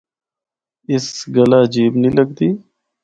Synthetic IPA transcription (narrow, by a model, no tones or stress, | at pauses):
ɪsɡəlaːd͡ʒiːbnĩːləɡd̪iː